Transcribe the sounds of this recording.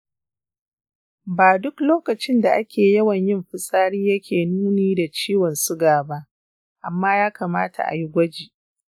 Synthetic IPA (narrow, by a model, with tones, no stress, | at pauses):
baː˨dʊ˦kloː˦kɐ˨t͡ʃɪ˦nda˨ʔa˦kʲeː˨jɐ˦wɐ˨ɲjɪ˦mɸɪ˦sʼaː˦ɽiː˦jɐ˦kʲʰeː˨nuː˦neː˦da˨t͡ʃiː˦wɔ˨nsʊ˦ɡaː˨ba˦ʔ | ʔa˨mːaː˦jaː˦kaː˨maː˦tʰa̰˨ʔa̰˨ji˦ɡʷɐ˦d͡ʒiː˨